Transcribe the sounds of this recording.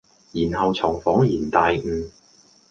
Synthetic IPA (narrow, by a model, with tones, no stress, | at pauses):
jiː˨˩nhɐ˨wt͡sʰɔː˨˩ŋfɔː˨˥ŋjiː˨˩nt̪aː˨˧jŋ̩ː˨˧